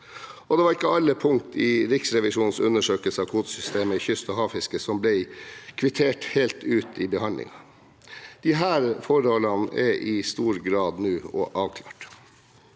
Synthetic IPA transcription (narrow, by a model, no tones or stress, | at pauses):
ɔd̪ɛʋɑɾɪkːəɑlːəpʰʊŋt̪ʰɪɾɪksɾɛʋɪʂuːnn̩sʉnːəʂøːkəlsəɑʋkʰuːt̪sʏst̪eːməɪçʏst̪ɔɦɑːfɪskəsɔmblɛɪkʰʋɪt̪ʰeːʈheːlt̪ʉːt̪ɪbəhɑnd̪lɪ̰ŋɑ | d̪̥ɪɦæːɾfɔɾhɔlːɑnɛʔɪst̪uːɾɡɾɑːd̪nʉːɔ̰ʔɑːʋkʰlɑ̰ːʈ